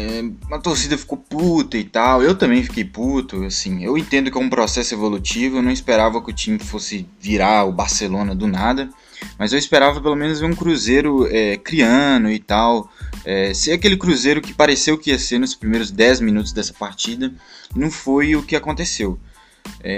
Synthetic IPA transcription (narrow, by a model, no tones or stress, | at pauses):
ɛũmɐt̪oɾsid̪ɐfi̥koput̪ɐɪt̪awewt̪ɐ̃mbẽj̃fi̥kejput̪ʊasĩewẽnt̪ẽnd̪ʊkɪɛũpɾɔsɛsʊevolut͡ʃivʊewnɐ̃w̃speɾavɐkɪʊt͡ʃĩmɪfosɪviɾaʊbaɾselõnɐd̪ʊnad̪ɐ | mɐzewɪspeɾavɐpelomẽnʊzveũkɾuzejɾʊɛkɾiɐ̃nʊɪt̪awɛseakelɪkɾuzejɾʊkɪ̥paɾesewkɪiɐseɾnʊspɾimejɾʊzd̪ɛzmĩnut̪ʊzd̪ɛsɐ̥paɾt͡ʃid̪ɐnɐ̃w̃fojʊkɪakõnt̪esew | ɛ